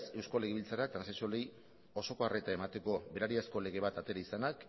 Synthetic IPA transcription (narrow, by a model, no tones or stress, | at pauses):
se̞wsko̞leɣeβilt͡saɾak̚t̪ɾansasolej | o̞so̞ko̞are̞t̪ae̞mat̪e̞ko̞be̞ɾaɾiasko̞le̞ɣe̞βat̪at̪e̞ɾaisanak